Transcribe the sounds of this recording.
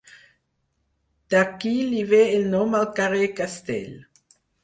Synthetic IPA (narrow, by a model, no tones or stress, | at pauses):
d̪̥akiliveelnomalkaʁekast̪ɛ̰l